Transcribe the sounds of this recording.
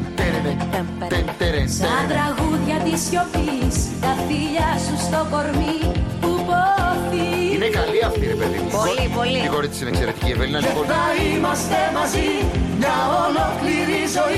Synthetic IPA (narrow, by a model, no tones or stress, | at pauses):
et̪eɾɐt̪ɾɐɣuðʝɐt̪isço̞pist̪ɐfiʎɐsust̪o̞ko̞ɾmipupot̪iinekɐliɐft̪iɾepeðḭpolipoliiɣoɾit̪sinekse̞ɾet̪i̥ciepelinɐioɐimɐst̪emɐziɲɐolokliɾizo